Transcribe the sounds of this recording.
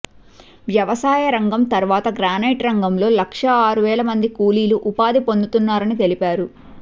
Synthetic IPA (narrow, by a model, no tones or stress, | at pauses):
ʋjɐʋɐsaːjɐɾɐŋɡɐmt̪ɐɾʋaːt̪ɐɡɾaːnɐːʈɾɐŋɡɐmlo̞ːlɐkʂɐaːɾuʋɛːlɐmɐnd̪ikuːliːluʔupaːd̪ipo̞nd̪ut̪unːaːɾɐnit̪e̞lipaːɾu